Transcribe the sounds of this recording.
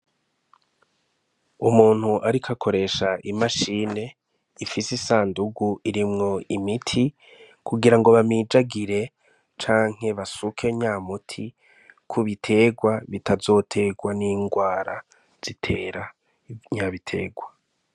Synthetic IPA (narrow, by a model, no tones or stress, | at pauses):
umuːn̥huʔaɾikʰakʰo̞ɾe̞ʃaʔimaʃiːne̞ | ifisesaːnduɡuʔiɾimŋo̞imitʰi | kʰuɡiɾaŋɡo̞βamiːd͡ʒaɡiɾe̞ | t͡ʃaːŋ̥e̞βasukʰe̞ɲaːmutʰi | kʰuβitʰe̞ːɡwaβitʰazo̞ːtʰe̞ɡwaniːŋɡwaːɾa | z̥itʰe̞ːɾa | ɲaβitʰe̞̰ːɡwa